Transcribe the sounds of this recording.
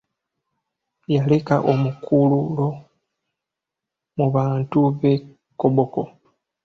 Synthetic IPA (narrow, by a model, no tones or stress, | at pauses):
jale̞kaʔo̞mukʰululo̞ | muβaːntuβe̞ | koβo̞ko̞